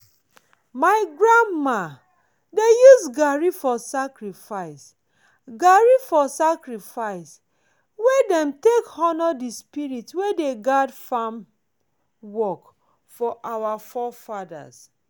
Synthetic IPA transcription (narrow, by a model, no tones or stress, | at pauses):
maɪɡɹãndma | dejusɡaɹifɔsakɹifaɪs | ɡaɹifɔsakɹifaɪs | wedɛ̃mtekhɔnɔdispiɹitwedeɡadfãm | wɔk | fɔʔawafɔfada̰s